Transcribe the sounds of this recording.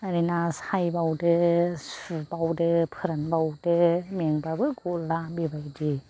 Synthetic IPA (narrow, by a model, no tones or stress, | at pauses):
aɾinashajbawdɯsubawdɯpʰɯɾanbawdɯmeŋbabɯɡolːabibajdi